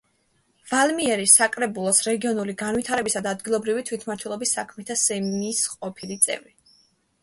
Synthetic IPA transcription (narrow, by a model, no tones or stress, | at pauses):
v̥almiɛɾisakʼɾɛbulˠɔsɾɛɡiɔnuliɡanvwit̪ʰaɾɛbisad̪aːd̪ɡilˠɔbɾivit̪ʰwit̪ʰmaɾt̪ʰwɛlˠɔbisːakʰmɛt̪ʰasɛmnisqʼɔpʰilit̪sʼɛ̰vi